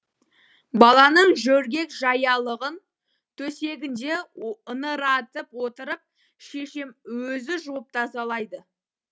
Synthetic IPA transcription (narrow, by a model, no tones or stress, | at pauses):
bɑlˠɑnəɴʒɵɾɡʲe̞kʒɑjɑlˠəʁən | t̪ʰɵse̞ɡʲɪnd̪e̞ənəɾɑt̪əpwo̞t̪əɾəp̚ | ʃe̞ʃɪmwɵzɪʒup̚t̪ʰɑzɑlˠɑjd̪ə